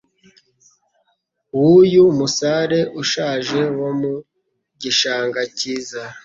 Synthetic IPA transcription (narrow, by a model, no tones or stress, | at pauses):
wujumusaɾe̞ʔuʃaːʒe̞womu | ɟiʃaːŋɡaciːza